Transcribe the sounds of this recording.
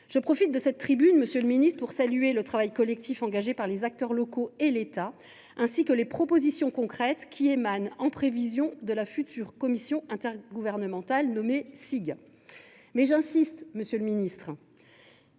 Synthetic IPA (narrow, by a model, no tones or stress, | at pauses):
ʒ̥əpχɔfit̪̚d̪əsɛt̪ːχibynməsjøləminist̪χpuʁsalyelət̪χavajkɔlɛk̚t̪ʰifɑ̃ɡaʒepaʁlezak̚t̪œʁlɔkoelet̪a | ɛ̃sikəlepχɔpozisjɔ̃kɔ̃kχɛt̪kʲʰiemanɑ̃pχevizjɔ̃d̪əlafyt̪ʰyːʁkɔmisjɔ̃ʔɛ̃t̪ɛʁɡuvɛʁnəmɑ̃t̪alnɔmesiɡ | mɛʒɛ̃sist̪məsjøləminist̪χ